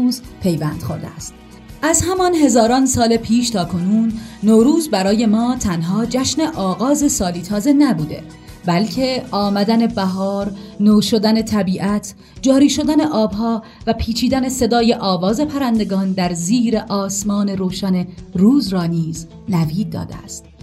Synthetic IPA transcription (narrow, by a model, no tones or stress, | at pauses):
uːzpʰe̞jvæːnd̪̥xo̞̰ɾd̪ḛæst̪ | ʔæzhæmɒnɦe̞zɒːɾɒːnsɒːlepʰiːʃt̪ʰɒːkʰo̞nuːnːoːɾuːzbæɾɒːje̞mɒːt̪ʰænɦɒːd͡ʒæʃne̞ʔɒːɣɒːze̞sɒːliːt̪ʰɒːze̞næbuːd̪e̞̰ | bælcʰe̞ʔɒːmæd̪æne̞bæɦɒːɾnoːʃo̞d̪æne̞t̪ʰæbiːʔæt̪ʰ | d͡ʒɒːɾiːʃo̞d̪æne̞ʔɒːbɦɒː | væpʰiːt͡ʃʰiːd̪æne̞se̞d̪ɒːje̞ʔɒːvɒːze̞pʰæɾænd̪e̞ɡɒːnd̪æɾziːɾe̞ʔɒːsmɒːne̞ɾoːʃæne̞ruːzɾɒːniːz | næviːɒ̰ːd̪ḛæ̰st̪